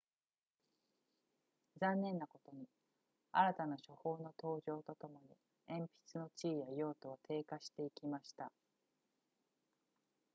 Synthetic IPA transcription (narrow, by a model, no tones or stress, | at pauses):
zãnːẽ̞nːako̞t̪o̞ɲ̟i | aɾat̪anaɕo̞ho̞ːno̞t̪o̞ːʑo̞ːt̪o̞t̪o̞mo̞ɲ̟ḭ | ẽ̞mpʲi̥t͡sɨno̞t͡ɕiːjajo̞ːt̪o̞βat̪ʰe̞ːkaɕi̥t̪e̞ikʲimaɕi̥t̪a